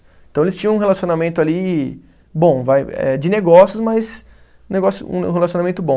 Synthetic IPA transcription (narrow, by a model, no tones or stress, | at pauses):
ẽt̪ɐ̃w̃elɪst͡ʃĩɲɐ̃ũɦelasionamẽnt̪ʊali | bõvajɛ̰d͡ʒɪneɡɔsjʊzmɐjs | neɡɔsjʊṵ̃helasjõnamẽnt̪ʊbõ